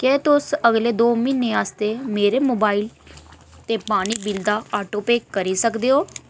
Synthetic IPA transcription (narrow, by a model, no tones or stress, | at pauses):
kɛːt̪ʊsəɡleːd̪oːmɪnːeːaːst̪eːmeːɾeːmoːbaːil | t̪eːpaːɽ̃iːbild̪aːaːʈoːpeːkːəɾiːsəkd̪eːɦoː